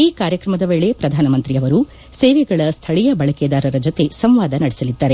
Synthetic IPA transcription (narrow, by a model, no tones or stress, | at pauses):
iːkaːɾjɐkɾɐmɐd̪ɐʋeːɭepɾɐd̪ʱaːnɐmɐnt̪ɾiɐʋɐɾu | seːʋɛɡɐɭɐst̪ʰɐɭijɐbɐɭɐkeːd̪aːɾɐɾɐd͡ʒot̪e̞sɐmʋaːd̪ɐnɐɽesɐlid̪ːaːɾe